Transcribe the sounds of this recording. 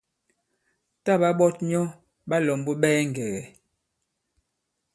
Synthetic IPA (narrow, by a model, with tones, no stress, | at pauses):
ta˦˨ɓa˦ɓɔ˦tɲɔ˦ | ɓa˦lɔ˨mbɔ˦ɓɛː˦ŋ˨ɡɛ˨ɣɛ˨